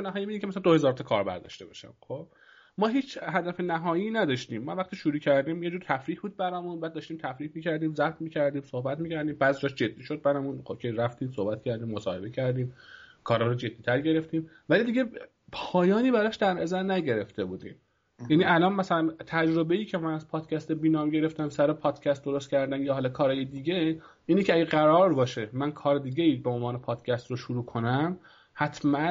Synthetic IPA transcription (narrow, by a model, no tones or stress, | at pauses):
enæɦɒːjimiimcʰʲemæslænd̪ohe̞zɒːɾt̪ʰɒkʰɒːɾbæ̰ɾd̪ɒ̰ʃt̪e̞bɒ̰ʃæ̰mxob̥ | mɒːɦiːt͡ʃɦæd̪æfe̞næɦɒːjiːnæd̪ɒʃt̪iːmːɒvæχt̪iːʃuɾuːcʰæɾd̪iːmjed͡ʒuːɾt̪ʰæfɾiːhbuːd̪̚bæɾɒːmunbæːd̪ːɒːʃt̪iːmt̪ʰæfɾiːhmiːcʰæɾd̪iːmzæb̚t̪miːcʰæɾd̪iːmso̞hbæt̪miːcæɾd̪iːmbæːzid͡ʒɒːʃd͡ʒe̞d̪ːiːʃod̪̚bæɾɒmũnxocʰeɾæft̪iːmso̞hbæt̪̚cʰæɾd̪iːmːosɒːhe̞be̞cʰæɾd̪iːmkʰɒːɾhɒɾod͡ʒe̞d̪ːiːt̪ʰæɾɟe̞ɾe̞ft̪iːm | vælid̪iːɡe̞ | pʰɒːjɒːniːbæɾɒːʃd̪æɾnæzæɾnæɟe̞ɾe̞ft̪e̞buːd̪ḭːm | jæniʔælɒːnmæsælænt̪ʰæd͡ʒɾo̞beiːcʰe̞mænæz̥pʰɒːd̪̥cʰʲæst̪ebiːnɒːmɟe̞ɾe̞ft̪æmsæɾepʰɒːd̪̥cʰæst̪̚d̪o̞ɾo̞st̪̚cʰæɾd̪æmjɒːɦɒːlɒkʰɒːɾɒːjed̪iːɟeʔiːnecʰeæɡeɢæɾɒːɾbɒːʃemænkʰɒːɾed̪iːɟeiːbeo̞nvɒːnepʰɒːd̪̥cʰʲæst̪roʃuɾuːkʰo̞næm | hæt̪ʰmæn